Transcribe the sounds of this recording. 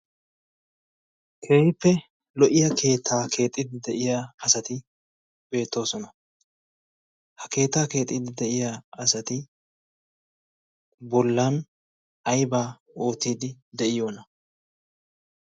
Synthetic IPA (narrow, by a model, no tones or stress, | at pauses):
kʰeːjɪpːɛ | lɔʔɪjɐkʰe̞ːt̪ʰːaːkʰe̞ːt̪ʼːɪd̪ɪd̪ɛʔɪjaɐsɐt̪ɪ | b̥e̞ːt̪ːo̞ːsɔnɐ | hɐke̞ːt̪ːaːke̞ːt̪ʼːiːd̪ɪd̪ɛʔɪjaɐsɐt̪ɪ | bɔlːaːn | ɐjbaː | oːt̪iːd̪ɪd̪ɛʔɪjo̞ːnɐ